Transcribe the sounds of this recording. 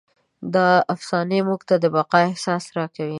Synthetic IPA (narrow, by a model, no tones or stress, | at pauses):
d̪ɑafsɑnemuɡt̪ad̪əbaqɑɪhsɑsɾɑkawi